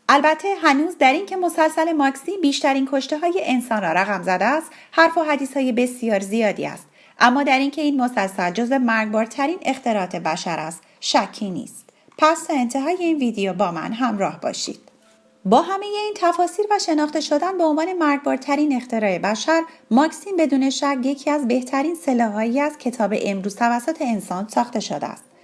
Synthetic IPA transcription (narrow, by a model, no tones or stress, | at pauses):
ʔælbæt̪ʰːe̞ɦænuːzd̪æɾincʰe̞mo̞sælsæle̞mɒksibiːʃt̪æɾiːnkʰo̞ʃt̪e̞ɦɒːje̞ʔensɒːnrɒːɾæɣæmzæd̪eæst̪ | hæɾfoɦæd̪iːshɒːjebe̞sijɒːɾzijɒːd̪ḭæ̰st̪ | ʔæmːɒːd̪æɾincʰe̞iːnmo̞sælsæld͡ʒoze̞mæɾɡbɒːɾt̪ʰæɾiːne̞xt̪ʰe̞ɾɒːt̪ʰe̞bæʃæɾʔæst̪ʃæcʰːiːnḭːst̪ | pʰæst̪ʰɒːe̞nt̪ʰe̞ɦɒːje̞iːnviːd̪ejobɒːmæ̰nɦæmɾɒːhbɒ̰ʃḭːd̪̥̚ | bɒːɦæme̞je̞iːnt̪ʰæfɒːsiːɾvæʃe̞nɒːχt̪e̞ʃod̪ænbeonvɒːne̞mæɾɡ̚bɒːɾt̪ʰæɾiːne̞xt̪e̞ɾɒːebæʃæɾmɒːksimbe̞d̪uːne̞ʃæɾje̞cʰiːæzbe̞ht̪ʰæɾiːnse̞lɒːɦɒːjiæz̥cʰe̞t̪ʰɒːbe̞̰ʔemɾuːz̥t̪ʰævæsːot̪ʰe̞ːnsɒːnsɒːxt̪e̞ʃod̪ḛæ̰st̪